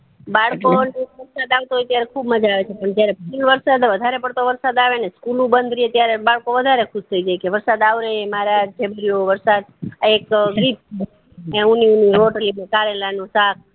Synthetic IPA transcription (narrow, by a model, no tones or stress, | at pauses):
baɭkoneʋəɾsad̪aʋt̪oɦɔjt̪jaɾekʰubməd͡ʒaːʋet͡ʃʰepəɳd͡ʒjaɾepulʋəɾsad̪ʋəd̪ʱaɾepəɽt̪oʋəɾsad̪aʋeneskulũbənd̪ʱɾiet̪jaɾebaɭkoʋəd̪ʱaɾekʰuʃt̪ʰəid͡ʒajkeʋəɾsad̪aʋɾejemaɾad͡ʒd͡ʒebʱəɾijoʋəɾsad̪ekɡɾip̚t͡ʃʰe | euniuniɾoʈlimekaɾelanusak̚ʰ